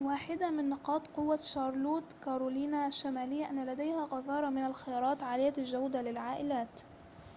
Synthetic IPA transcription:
waːħɪd̪amɪnːɪqɑːt̪qʊwːaʃɑːɾˤluːt̪kaːɾˤuliːnaʃːamaːlɪjːaʔanːalad̪ajhaqɑðɑːɾˤɑmɪnalxɪjɑːɾˤɑːt̪ʕaːlɪjːalʒawd̪alɪlʕaːʔɪlaːt̪

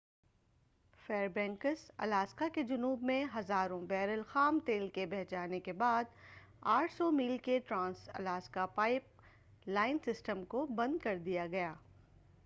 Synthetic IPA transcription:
fɛːɾbɛ̃ːŋkəɾsɐ̰laːskaked͡ʒʊnuːbmẽɦɐzaːɾõbɛːɾəlxaːmt̪eːlkebɛɦt͡ʃaːnekebaːd̪ | aːʈʰsɔmiːlkeʈɾãːnsɐ̰laːskapaːɪp̚ | laːɪnsɪsʈəmkobɐ̃nd̪̚kɐɾd̪ijaɡɐjaː

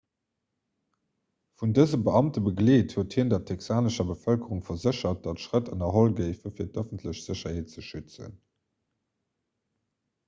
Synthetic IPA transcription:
fundəzəbəɑmtəbəɡleːthuːəthiːndɛɐtʰɛksaːnəʃɐbəfœlkəʁuŋfɐzəɕɐt̚d̥ɑtʃʁətʰənɐɦolɡɜɪfəfiːɐtœfəntʰləɕz̥əɕɐheːt̚t͡səʃyt͡sə̰n

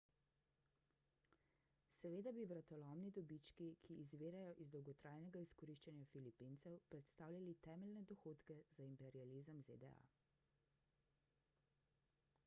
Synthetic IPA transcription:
sɛʋeːd̪abiʋɾat̪ɔlɔmnid̪ɔbit͡ʃkikʰiʔːzʋeːɾajɔʔizd̪ɔwɡɔt̪ɾaːjnɛɡaiskɔɾiʃt͡ʃanjafilipint̪sɛwpɾɛt̪st̪aːwlʲjalit̪ɛːmɛlnɛd̪ɔxoːt̪kɛzaimpɛɾializəmzḛd̪ɛ̰a̰

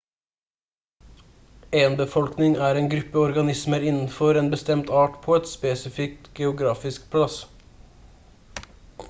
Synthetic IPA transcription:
eːənbəfɔlknɪŋæːɾeːnɡɾʉpəɔɾɡɑnɪsməɾɪnn̩fɔɾeːnbəst̪ɛmt̪ɑːʈpʰoːɛt̪speːsɪfɪk̚t̪ɡ̥ɛʊɡɾɑːfɪsk̚pʰlɑs

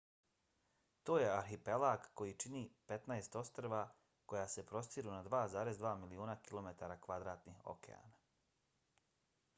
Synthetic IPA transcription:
t̪oːje̞aɾxipelˠaːkko̞jit͡ʃiniːpe̞t̪naest̪o̞st̪ɾeʋa | ko̞jaːse̞pɾo̞st̪iɾunad̪ʋaːzaːɾe̞zd̪ʋaːmiliuːnakilo̞me̞t̪aɾakʋad̪ɾaːt̪nixo̰kḛa̰ːna

